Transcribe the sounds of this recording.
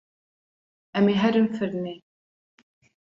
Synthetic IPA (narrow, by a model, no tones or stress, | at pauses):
æmiɦæɾimfəɾni